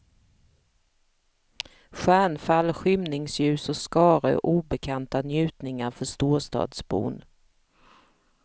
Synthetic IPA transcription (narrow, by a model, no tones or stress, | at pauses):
ɧæːɳfalːɧʏmnɪŋsjʉ̟ːsɔskɑːɾə̰ʔuːbɛkʰant̪anjʉ̟ːt̪nɪŋaɾfœʂt̪oːʂt̪ɑ̰ːd̪sbṵːn